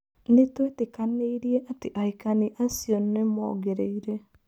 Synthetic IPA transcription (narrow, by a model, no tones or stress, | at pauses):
netwetekaneiɾieʔateʔaikaniʔasionnemɔ̰ɡeɾeiɾe